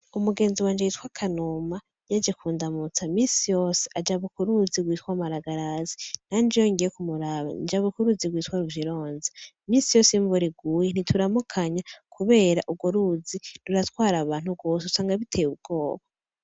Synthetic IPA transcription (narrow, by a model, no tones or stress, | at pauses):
umuɡe̞ːnziwaːnd͡ʒejiːtwakʰanuma | jad͡ʒekuːndamut͡samiːnsijo̞ːse̥ʔad͡ʒaβukuɾuzibɡwiːtkwamaɾaɡaɾazin̥and͡ʒijoiŋɡijekumuɾaβa̰nd͡ʒaβukuɾuzibɡwiːtwaɾuviɾo̞ːnze | miːnsijo̞ːseɱvuɾiɡuːjen̥itʰuɾamukʰaɲakʰuβe̞ːɾaʔub̚ɡoɾuziɾuɾatwaːɾaβaːn̥hub̚ɡo̞s̬eusaːŋɡaβitʰejub̚ɡ̥o̞ːβa